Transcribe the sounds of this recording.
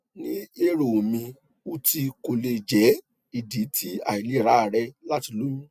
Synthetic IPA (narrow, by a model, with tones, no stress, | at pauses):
nĩ˦e˦ɾo˨mĩ˧ | u˦ti˧ko˧le˧d͡ʒɛ˨˦ | i˨di˨˦ti˦a̰˨i˨le˨˦˨ɾa˨˦a˦˨ɾɛ˧la˦ti˧lu˦jũ˦